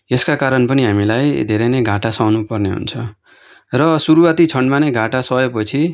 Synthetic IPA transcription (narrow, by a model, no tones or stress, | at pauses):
eskakaɾʌnpʌniɦamilajd̪ʱeɾenʌjɡʱãʈasʌwnupʌrneɦṵnt͡sʰʌ | rʌsuɾuwat̪it͡sʰʌɳɖmaneɡʱaʈasʌepʌt͡sʰi